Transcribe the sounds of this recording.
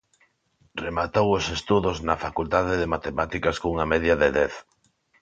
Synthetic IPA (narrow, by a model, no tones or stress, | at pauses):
remat̪owosest̪uðoznɐfakult̪aðeðemat̪emat̪ikaskouŋamɛðjaðeðɛθ